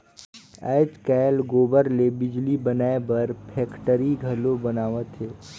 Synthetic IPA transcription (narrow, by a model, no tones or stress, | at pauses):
a̰ːt͡ʃkɛːlɡoːbəɾlebɪd͡ʒlibənaːebɐɾpʰɛːkʈəɾiɡʱəlobɐnaːʋət̪ɦeː